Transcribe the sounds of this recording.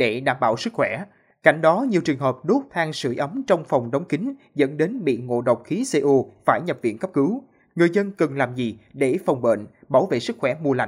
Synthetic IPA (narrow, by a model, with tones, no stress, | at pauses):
ɗe˧˩ɗaː˧˩mɓaː˧˨wsɨ˦˥k̚xwɛ˧˩˨ | ka̰˧˩jŋ̟ɗɔ˨˦ɲi˨˩əwt͡ɕɨ˨˩əŋɦəː˨˩p̚ɗo˦˥t̚t̪ʰaː˧ŋsɨ˧˩ʔə˨˦mt͡ɕɔ˧wŋ͡mfɔ˨˩wŋ͡mɗə˨˦wŋ͡mkï˨˦ŋ̟ | zə̰˧˥nɗe˨˦nɓḭ˧˨ŋo̰˧˨ɗə̰˨wk͡p̚xi˨˦se˧ʔu˧faː˧˩jɲə˨˩p̚vḭ˧˨ənkə˦˥p̚kɨ˨˦w | ŋɨ˨˩əjzə˧nkə˨˩nlaː˨˩mzi˨˩ɗe˧˩fɔ˨˩wŋ͡mɓḛ˧˨nɓaː˧˩wvḛ˧˨sɨ˦˥k̚xwɛ˧˩mu˧əla̰˧˨